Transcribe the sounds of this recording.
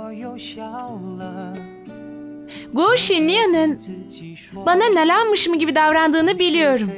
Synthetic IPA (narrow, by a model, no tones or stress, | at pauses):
ɡoʃinlːʲijanɯn | bananelʲænmɯʃmɯɟibid̪avɾand̪ɯːnɯbilʲijo̞ɾum